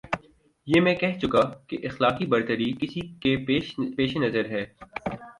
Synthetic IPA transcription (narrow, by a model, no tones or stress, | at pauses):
jeːmɛ̃ːkɛɦt͡ʃʊkakeʔɪxlaːqibɐɾt̪əɾikɪsikeeːʃpeːʃenɐzəɾɦɛː